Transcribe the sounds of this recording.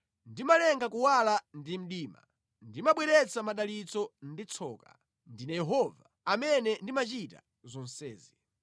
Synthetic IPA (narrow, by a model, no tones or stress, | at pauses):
ndimalɛŋɡakuwalandim̩ɗiːma̰ | ndimaɓwɛɾɛt͡samaɗalit͡sɔndit͡sʰɔːka̰ | ndinajɛɦɔva | amɛnɛndimat͡ʃita̰ | zɔn̩sɛːzi